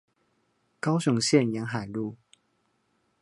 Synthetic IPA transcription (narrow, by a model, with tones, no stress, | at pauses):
kɑ˥ʊɕʊ˨˥ŋɕjɛ˥˨njɛ˨˧˥nɦa˨˩ɪlu˥˨